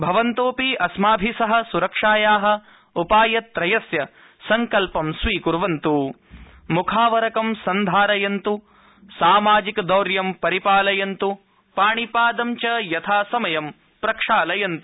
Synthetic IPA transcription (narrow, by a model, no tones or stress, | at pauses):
bʱɐʋɐnt̪oːpiɐsmaːbʱisɐɦɐ̆suɾɐkʂaːjaːɦɐ̆ | upaːjɐt̪ɾɐjɐsjɐ | sɐŋkɐlpɐmsʋiːkuɾʋɐnt̪u | mukʰaːʋɐɾɐkɐmsɐnd̪ʱaːɾɐjɐnt̪u | saːmaːd͡ʒikd̪ɐwɾjɐmpɐɾipaːlɐjɐnt̪u | paːɳipaːd̪ɐmt͡ʃɐjɐt̪ʰaːsɐmɐjɐm | pɾɐkʂaːlɐjɐnt̪u̥